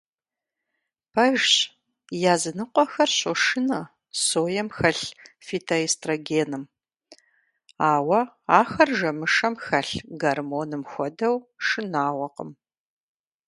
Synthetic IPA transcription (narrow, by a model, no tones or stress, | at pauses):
pʰɐʒɕ | jaːzɨnɨqʷɔxɐrɕʼoʂɨnɐ | soːjɛmxɐɬ | fitʰɐistʰʼroːɡeːnɨm | aːwɐaːxɐrʒɐmɨʂɐmxɐɬɡɐrmoːnɨmxʷɔdɐwʂɨnaːwʷɔqə̰m